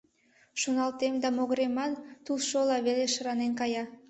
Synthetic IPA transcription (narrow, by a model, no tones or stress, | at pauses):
ʃunɑlˠt̪emd̪ɑmoɣɾemɑnt̪ulˠʃolˠɑβeleʃɨɾɑnenkɑjɑ